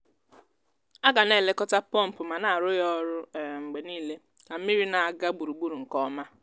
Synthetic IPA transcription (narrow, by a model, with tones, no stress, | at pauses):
a˦ɡa˨ne˦˨le˦kɔ˦ta˦pɔ˦˨m̩˨pʊ˨ma˨na˨a˨ɾʊ˦jɔ˦ɾʊ˦˨ŋ͡m̩˨ɡ͡be˨niː˦le˦ | ka˨m̩˦mi˦ɾi˦na˨a˨ɡa˦ɡ͡bu˨ɾu˨ɡ͡bu˦ɾu˨ŋ̩˨kɔ˦ma˦